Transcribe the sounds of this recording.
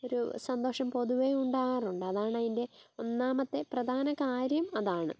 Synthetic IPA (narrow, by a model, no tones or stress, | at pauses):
o̞ɾṵsɐnd̪oːʂɐmpo̞ðuʋeuɳɖaːɣɐruɳɖɨɐðaːɳɐðinde̞o̞nːaːmɐt̪ːe̞prɐd̪ʱaːnɐkaːɾjɐmɐðaːɳɨ̰